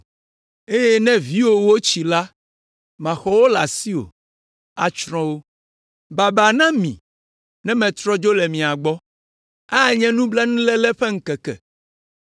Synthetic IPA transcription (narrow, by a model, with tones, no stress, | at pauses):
e˦jɛ˦nɛ̃˦vi˦wo˨wo˦t͡ɕi˨la˦ | mã˨xɔ˦wo˦la̰˨si˦o̰˨ | a̰˨t͡ʃɾ̃ɔ̃˦wo˦ | ba˨ba˨nã˦mḭ̃˨ | nɛ̃˦mɛ̃˨t̪ɾɔ˦d͡ʒo˦lɛ˨mĩ˨a˨ɡ͡bɔ˦ | a˦˨ɲɛ̃˦nũ˦bla˦nũ˦lɛ˦lɛ˦ɸɛ˦ŋ̩˦kɛ˨kɛ̰˨